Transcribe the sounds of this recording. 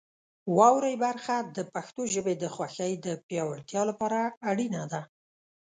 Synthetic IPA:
wɑwɾəjbaɾxad̪əpaxt̪oʒəbed̪əxwaxəjd̪əpjɑwaɽt̪jɑlapɑɾaːɽinad̪a

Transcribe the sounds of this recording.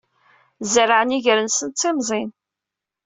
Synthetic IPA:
zəɾaʕəniʝəɾənsənt̪ˤːimzˤin

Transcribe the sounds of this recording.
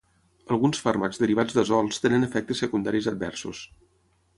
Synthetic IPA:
əlˠɣunsfaɾməkzd̪əɾiβ̞ad͡zd̪əzɔlˠst̪enənəfɛk̚t̪əsːəkund̪aɾizəd̪̚bɛ̰rsus

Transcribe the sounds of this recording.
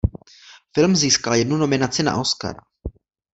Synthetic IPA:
fɪlmziːskaljɛdnuno̞mɪnat͡sɪna̰ʔoska̰ɾa

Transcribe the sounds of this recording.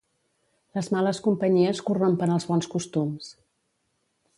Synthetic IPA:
ləzmaləskumpəɲiəskurompənəlˠzβɔnskust̪ums

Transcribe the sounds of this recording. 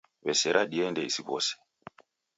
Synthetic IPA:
βɛsɛɾʔaɗiɛndɛisiβɔ̰sɛ̥

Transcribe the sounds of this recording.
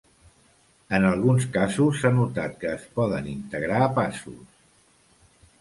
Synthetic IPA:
ənəlˠɣunskazusːanut̪at̪̚kəːspɔðənint̪əɣɾaːpasṵs

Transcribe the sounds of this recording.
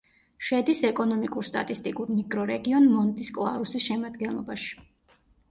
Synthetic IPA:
ʃɛd̪isɛkʼɔnɔmikʼuɾst̪ʼa̰t̪ʼist̪ʼikʼuɾmikʼɾɔɾɛɡiɔnmɔnt̪ʼiskʼlˠa̰ɾusisʃɛmad̪ɡɛnlˠɔ̰baʃi̥

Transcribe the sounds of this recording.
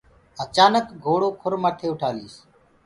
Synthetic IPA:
ət͡ʃaːnəkɡʱoːɽoːkʰʊɾmaːʈ̪ʰeːʊʈʰaːliːs

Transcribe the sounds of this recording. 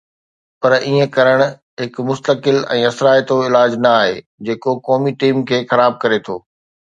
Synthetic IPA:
pɐɾiːẽkɐɾəɽ̃ | ɦɪkmʊst̪əkɪlɛ̰̃ːɐsɾaːet̪oɪlaːd͡ʑnɐaːɦḛː | d͡ʑeːkokɔːmiʈiːmkʰeːxɐɾaːb̚kɐɾet̪ʰoː

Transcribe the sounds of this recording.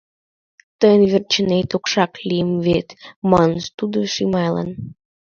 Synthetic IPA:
t̪əjənβert͡ɕənet̪okʃɑklʲijəmβet̪mɑnʃt̪ud̪oʃimɑjlɑ̰n

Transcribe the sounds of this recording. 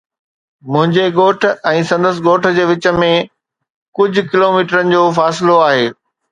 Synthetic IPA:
mʊ̃ɦɪ̃ɲd͡ʑeɠoːʈʰɛ̃ːsɐ̃nd̪əs̬ɪɡoːʈʰd͡ʑeːʋɪt͡ɕə̆mẽ | kʊd͡ʑʱʊ̆kɪloːmiːʈəɾənɪ̆d͡ʑoːfaːsɪloaːɦeː

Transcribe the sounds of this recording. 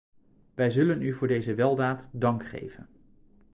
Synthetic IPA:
ʋɛjzɵlənyvʊːɹdejzəʋɛlˠdaːtdɑŋkχḛjvə̰n

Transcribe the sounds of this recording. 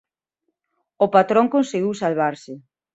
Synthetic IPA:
opat̪ɾoŋkõnseɣiwsalβaɾsɪ

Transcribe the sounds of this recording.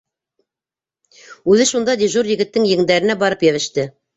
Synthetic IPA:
ʉðɘʃund̪ɑd̪ʲiʒuɾjɘ̆ɡɘ̆t̪ːɘŋjɘ̆ŋd̪æɾɘ̆næbɑɾɤpjæβɘ̆ʃt̪ɘ

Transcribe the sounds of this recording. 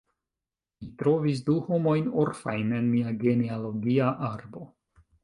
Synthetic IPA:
mitɾo̞vis̬duho̞mo̞jnoɾfajne̞nmiaɡe̞nealo̞ɡiaʔaɾbo̞

